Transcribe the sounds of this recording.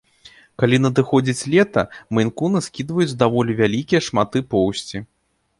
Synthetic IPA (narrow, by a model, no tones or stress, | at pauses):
kalʲin̪ɐd̪ɨxɔd͡zʲit͡sʲlʲɛt̪ɐ̰mjnkunɨskʲid̪vɐjut͡sʲd̪avɔlʲivʲalʲikʲijɛʂmat̪ɨpɔwsʲt͡sʲi